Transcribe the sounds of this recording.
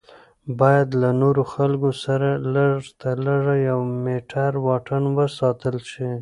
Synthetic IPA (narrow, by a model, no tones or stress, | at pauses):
bɑjad̪lanoɾoxalɡosaɾalaʐt̪alaʐajawmeʈʰaɾwɑʈanwəsɑt̪əlʃi